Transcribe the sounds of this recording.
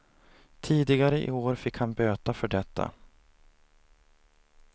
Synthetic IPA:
t̪ʰiːd̪ɪɡaɾəʔɪ̰oːɾfɪkhanbøːt̪afœɖɛt̪ʰːa̰

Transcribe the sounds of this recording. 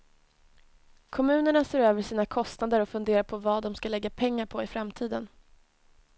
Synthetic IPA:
kʰɔmʉ̟ːnəɳaseːɾøːvəʂiːnakʰɔst̪nad̪əɾɔfɵnd̪eːɾaɾpʰɔvɑːd̪ɔmskalɛɡːapʰɛŋːaɾpʰɔɪfɾamt̪ʰiːd̪ən

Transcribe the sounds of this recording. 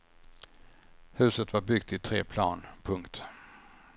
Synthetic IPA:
hʉ̟ːsət̪vaɾbʏɡ̚t̪ʰɪt̪ʰɾeːpʰlɑːnpʰɵŋkt̪

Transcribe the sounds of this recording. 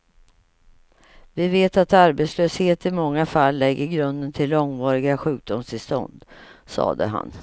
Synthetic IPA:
vɪveːt̪at̪aɾbɛt̪sløːsheːt̪ɪmɔŋːafalːɛɡːəɾɡɾɵnd̪ənt̪ʰɪlːɔŋvɑːɾɪɡaɧʉ̟ːk̚d̪ʊmst̪ʰɪlst̪ɔ̰nd̪sɑ̰ːd̪ə̰ɦa̰n

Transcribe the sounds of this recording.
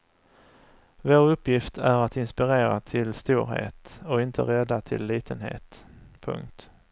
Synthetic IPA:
voːɾɵpːjɪft̪ʰæɾat̪ɪnspɪɾeːɾat̪ʰɪlst̪uːɾɦḛːt̪ɔɪnt̪ʰə̰ɾɛd̪ːat̪ʰɪ̰lːiːt̪ʰənɦḛːt̪pʰɵ̰ŋk̚t̪

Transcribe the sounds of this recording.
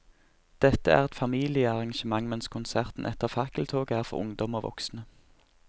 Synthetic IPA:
d̪̥ɛt̪əæ̰ːʁɛt̪fɑmiːlɪəɑʁɑŋʃəmɑŋmɛnskʰʊnsæʁt̪n̩ʔɛt̪əʁfɑkəlt̪ʰoːɡəæːʁfɔ̰ʁʊ̰ŋd̪ɔmoːʋɔ̰ksnə

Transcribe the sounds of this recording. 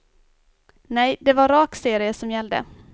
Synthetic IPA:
nɛjd̪ɛvaɾɾɑːkseːɾɪəsɔmjɛld̪ə̰

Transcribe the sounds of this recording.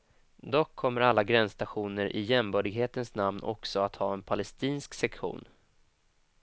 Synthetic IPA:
d̪ɔkʰːɔmːəɾalːaɡɾɛnst̪aɧuːnəɾʔɪ̰jɛmbœːɖɪɡɦeːt̪ənsnamnʔɔ̰ksɔat̪hɑːɛnpʰalɛst̪iːnsksɛkɧṵːn

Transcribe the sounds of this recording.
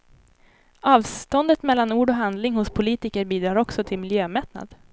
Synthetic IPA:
ɑːvst̪ɔnd̪ət̪mɛlːanuːɖɔɦand̪lɪŋɦʊspʰʊliːt̪ɪkəɾbiːd̪ɾɑːɾɔksɔt̪ʰɪlmɪljøːmɛt̪na̰d̪

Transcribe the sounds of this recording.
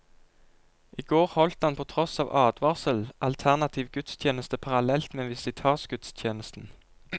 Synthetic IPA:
ʔiːɡoːʁhɔlt̪ɑnpʰɔt̪ʰʁɔsɑːʋʔɑːd̪ʋɑːʁsəlʔɑlt̪ʰæʁnɑt̪ʰiːʋɡʉt̪st̪ʰjeːnəst̪əpʰɑʁɑlɛlt̪meːnʋɪsɪt̪ʰɑːsɡʉt̪st̪ʰjeːnəst̪n̩

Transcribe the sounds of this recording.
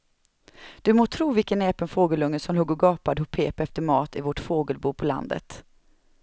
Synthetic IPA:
d̪̥ɵmoːt̪ʰɾuːvɪkənɛːpənfoːɡəlɵŋːəsɔmlɵɡːɔɡɑːpad̪əhʊpʰeːpɛft̪əɾmɑːt̪ɪvɔʈfoːɡəlbuːpʰɔla̰nd̪ə̰t̪

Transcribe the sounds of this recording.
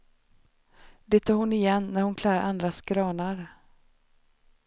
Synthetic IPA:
d̪ɛt̪ʰɑːɾhʊnɪjɛnːæɾhʊnkʰlæːɾʔand̪ɾaskɾɑːnaɾ

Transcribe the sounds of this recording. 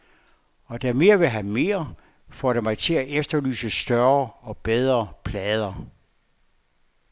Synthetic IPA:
ɒ̽d̥æme̝ːɐʋe̝ɦæme̝̰ːɐ | fɒ̰ːɾemɑ̈ɪt͡sʰe̝læʔefd̥ɐly̰ːsəsd̥ɶɐɒ̽b̥eð̞ˠʁɐpʰlɛːð̞ˠɐ

